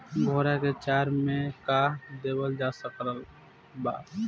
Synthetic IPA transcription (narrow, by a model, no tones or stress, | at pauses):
ɡʱoːɾaket͡ʃaːɾmẽkad̪eːbəld͡ʒaːsəkɾəl | baː